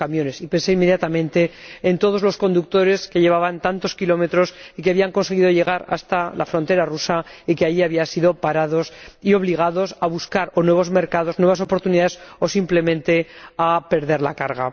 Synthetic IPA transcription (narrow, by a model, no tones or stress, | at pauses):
amjo̞ne̞sipe̞nse̞imːe̞ðjat̪amẽnt̪e̞ːnt̪o̞ð̞o̞zlo̞sko̞nd̪uk̚t̪o̞ɾe̞ske̞ʎe̞β̞aβant̪ant̪o̞skilo̞me̞t̪ɾo̞sikeaβiaŋko̞ns̬e̞ɣ̞iðo̞ʎe̞ɣ̞aɾa̰st̪ala̰fɾo̞nt̪e̞ɾarusaikeajiaβiasiðo̞paɾað̞o̞sio̞β̞liɣ̞aðo̞saβuskaɾonwe̞β̞o̞zme̞ɾkaðo̞znweβas̬o̞po̞ɾt̪uniðaðeso̞simple̞mẽ̞nt̪e̞ape̞ɾðe̞ɾla̰kaɾɣa̰